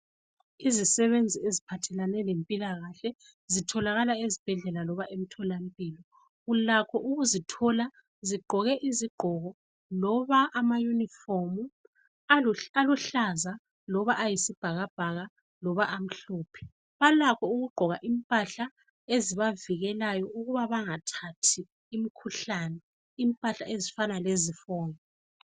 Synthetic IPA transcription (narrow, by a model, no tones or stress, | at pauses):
izisɛβend͡zʱiezipʰatʰɛlanɛlempʼilaɣaɬɛ | zitʰɔlaɣalaezib̥ʱɛɮɛlalɔβaʔem̩tʰɔlampʼiːlɔ | ɣulakʰɔʔuɣuzitʰɔla | ziɡ͡ǃʱɔɣɛʔiziɡ͡ǃ̥ʱɔɣɔ | lɔβaʔːmajunifɔmu | aluɬaza | lɔβaʔajisib̥ʱaɣab̥ʱaɣa | lɔβaʔam̩ɬuːpʰɛ̥ | βalakʰɔuɣuɡ͡ǃʱɔɣaʔimpʼaɬa | eziβaviɣɛlajɔʔuɣuβaβaŋatʰatʰiː | mikʰuɬanɛ | impʼaɬaezifanalezifɔːŋɛ